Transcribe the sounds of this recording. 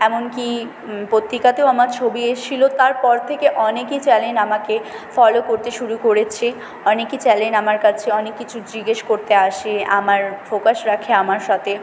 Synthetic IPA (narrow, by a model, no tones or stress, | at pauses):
ɛmonki | pot̪ːikat̪eoamaɾt͡ɕʰobieʃilot̪aɾpɔɾt̪ʰekeʔɔnekit͡ɕɛlenamakefɔlokoɾt̪eʃuɾukoɾet͡ɕʰe | ɔnekit͡ɕɛlenamaɾkat͡ɕʰeɔnekːit͡ɕʰud͡ʑiɡeʃkoɾt̪eaʃeamaɾfokaʃɾakʰeamaɾʃat̪ʰe